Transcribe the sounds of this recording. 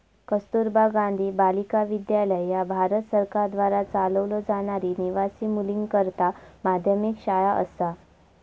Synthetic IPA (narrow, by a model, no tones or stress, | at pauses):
kəst̪uɾbaɡãnd̪ʱiːbalikaʋid̪jaləjjabʱaɾət̪səɾkaɾd̪ʋaɾat͡saləʋlɔd͡zaɽ̃aɾiːniʋasiːmuliŋɡkəɾt̪amad̪ʱjəmikɕajaʔə̰sa